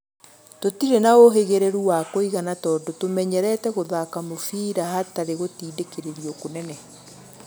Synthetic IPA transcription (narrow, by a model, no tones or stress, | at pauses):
totiɾenaoɦeɣeɾeɾuwakoiɣanatɔːndɔtomɛɲɛɾɛtɛɣoðakamofiːɾahataɾeɣotiːdekeɾeɾiɔkonɛnɛ